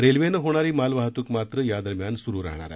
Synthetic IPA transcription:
ɾelʋenəɦoɽ̃aɾiːmalʋaɦət̪uːkmat̪ɾəjad̪əɾmjansuɾuːɾa̰ɦɳa̰ɾa̰

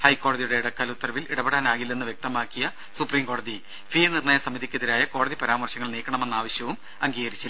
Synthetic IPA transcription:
hɐjkːo̞ːɽɐðijuɽe̞iɽɐkːaːlut̪ːɐrɐʋiliɽɐbeɽaːnaːɣilːenːɨʋje̞k̚t̪ɐmaːkːijɐ | supriːmko̞ːɽɐði | fiːnirɳɐːjɐsɐmiðikʲːeðiɾaːjɐko̞ːɽɐðipɐɾaːmɐrɕɐŋːɐɭniːkːɐɳɐme̞nːaːʋɐɕjɐʋum | ɐŋɡiːɣɐɾit͡ɕːɐ

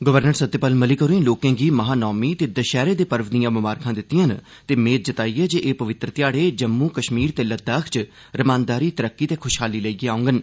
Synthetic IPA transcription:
ɡəʋəɾnəɾsət̪ːepəlməliːkəɾuĩloːkẽːɡiːməɦaːnɔːmiːt̪eːd̪əʃɛːɾeːd̪eːpəɾʋd̪ijãːbʊmaːɾkʰãːd̪ɪt̪ːɪjãːn | t̪eːmeːt̪̚d͡ʒət̪aːiːɛːd͡ʒeːʔeːpəʋɪt̪ɾət̪jaːɽeːd͡ʒəmːũːkəʃmiːɾt̪eːləd̪aːkʰt͡ʃ | ɾəmãːnd̪aːɾiːt̪əɾəkːiːt̪eːkʰʊʃɦaːliːləiɡeːaːʊ̃ŋɡən

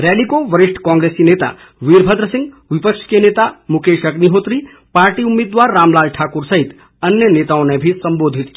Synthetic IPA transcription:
ɾɛlikoʋəɾiʂʈʰkɔ̃ːŋɡɾesinet̪a̰ | ʋiɾbʱəd̪ɾəsĩŋɡ | ʋipəkʃʰkenet̪amukeʃəkniɦot̪ɾi | paːɾʈiumːid̪waːɾːaːmlaːlʈʰaːkuɾsəɦit̪ | ənjənet̪aõnebʱisəmboːd̪ʱit̪k

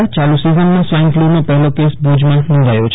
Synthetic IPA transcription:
t͡ʃalusizənmãsʋaj̃ŋɡflunõpəɦɛlokesbʱud͡ʒmãnɔ̃nd̪ʱajot͡ʃʰ

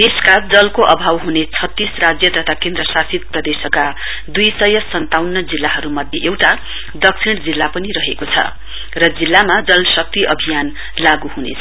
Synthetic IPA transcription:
neskad͡zʌlkoʔʌbʱawɦunet͡sʰʌt̪ːisrad͡zjʌt̪ʌt̪ʰakend̪rʌsasid̪̚prʌd̪esʌka | d̪ujsʌjʌsʌnt̪awnːʌd͡zilːaɦʌɾumʌd̪ʱjeʔewʈa | d̪ʌksʰiɽ̃d͡zilːapʌniɾʌɦekot͡sʰʌ̰ | rʌd͡zilːamad͡zʌlsʌk̚t̪iʔʌbʱijan | laɡuɦunḛt͡sʰʌ

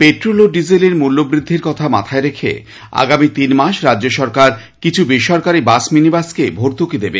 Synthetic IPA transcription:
peʈɾoloɖid͡ʑileɾmulːobɾid̪ʱːiɾkɔt̪ʰama̰t̪ʰaeɾekʰḛ | a̰ɡamit̪inmaʃɾadːoʃɔɾkaɾ | kit͡ɕʰubiʃɔɾkaɾibasminibaskebʱoɾt̪ukid̪ebḛ

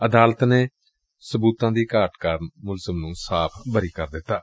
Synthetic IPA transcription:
əd̪aːlət̪neː | səbuːt̪ãːd̪iːkaːʈkaːɾnmʊlzəmnũːsaːpʰbəɾiːkəɾd̪ɪt̪ːaː

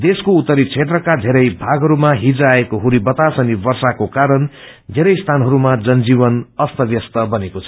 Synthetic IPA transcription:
d̪eskout̪ːʌɾit͡sʰet̪rʌkad̪ʱeɾʌjbʱaɡɦʌɾumaɦid͡zaekoɦuɾibʌt̪asʌnibʌrsakokaɾʌn | d̪ʱeɾʌjst̪ʰanɦʌɾumad͡zʌnd͡ziβʌnʌst̪ʌbjʌst̪ʌbʌnekot͡sʰʌ

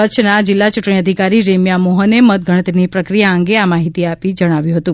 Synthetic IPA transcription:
əːʃʰnad͡ʒɪlːat͡ʃuʈɳ̃iəd̪ʱikaɾiɾemjamoɦənemət̪̚ɡʱəɽ̃ət̪ɾinipɾəkɾijaəŋɡeamaɦit̪iapid͡ʒəɽ̃aʋjũɦət̪ũ

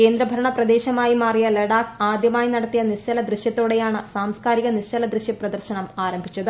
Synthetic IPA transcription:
ke̞ːnd̪ɾɐbʱɐɾɐɳɐprɐd̪e̞ːɕɐmaːjimaːrijɐleɽaːkaːd̪jɐmaːjinɐɽɐt̪ːijɐnirt͡ɕɐlɐd̪rɨɕjɐt̪ːoːɽe̞jaːɳɨsaːmskaːɾiɣɐnit͡ɕɐlɐd̪rɨɕjiprɐd̪ɐrɕɐnɐmaːɾɐmbʱit͡ɕːɐðɨ

